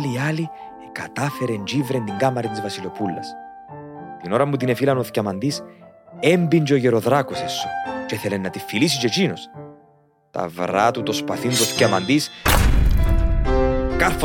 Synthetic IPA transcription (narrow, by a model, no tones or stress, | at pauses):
liali | kɐt̪ɐfe̞ɾend͡ʒivɾend̪iŋɡɐmɐɾint̪izvɐsilo̞pulːɐ̰s | t̪ino̞ɾɐmːut̪inefilɐnoθcɐmɐnd̪isembiɲd͡ʒeoʝeɾoðɾɐkosesːo̥t͡ʃeθelenːɐt̪ifːilis̬it͡ʃet͡ʃinos | t̪ɐ̰vɾat̪ut̪o̞spɐθint̪oθcɐmɐnd̪is | kɐθ